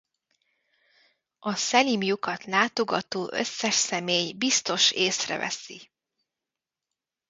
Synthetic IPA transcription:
ɒsɛlimjukɒt̪laːt̪o̞ɡɒt̪oːʔø̰sːɛʃsɛmeːjbist̪o̞ʃeːsrɛ̰vɛ̰si

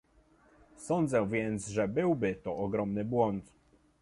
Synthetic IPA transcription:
sɔnd̪zɛ̃vʲjɛnt̪sʐɛbɘwbɘt̪ɔʔɔɡɾɔmnɘbwɔnt̪

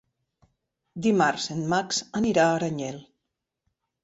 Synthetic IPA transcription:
d̪imaɾzenmaksəniɾaːɾaɲɛl

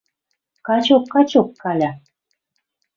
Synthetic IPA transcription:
kɑt͡ɕokːɑt͡ɕokːɑlʲɑ

